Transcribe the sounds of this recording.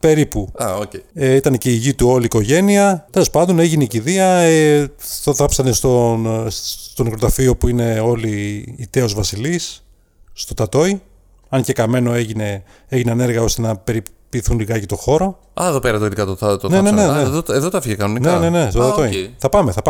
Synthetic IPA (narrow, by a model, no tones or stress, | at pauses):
pe̞ɾipuɐoeeit̪ɐneceiʝit̪uo̞liːko̞ʝe̞niɐt̪e̞lo̞spɐnd̪o̞ne̞ʝineiciðiɐet̪oθɐpsɐnest̪o | t̪o̞nekɾot̪ɐfio̞puine̞o̞liːt̪e̞o̞zvɐsilisː | t̪o̞t̪ɐt̪o̞i | ɐnce̞kɐme̞no̞e̞ʝine̞ | eʝineɐne̞ɾɣɐo̞st̪e̞nɐpe̞ɾipiθunliɣɐcit̪o̞xo̞ɾo̞ | ɐeðopeɾɐt̪oet̪ikɐt̪oɐt̪oneneneneðoeðot̪ɐfiʝekɐnoninenene̞st̪ot̪ɐt̪oiθɐpɐme̞θɐpɐ